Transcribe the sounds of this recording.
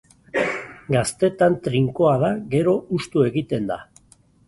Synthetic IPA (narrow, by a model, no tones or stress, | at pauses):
ɡast̪e̞t̪ant̪ɾiŋko̞aðaɣe̞ɾo̞ust̪ue̞ɣit̪e̞nd̪a